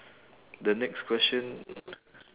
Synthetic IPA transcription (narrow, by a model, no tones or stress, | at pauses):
dənɛkskʰwɛst͡ʃə̃n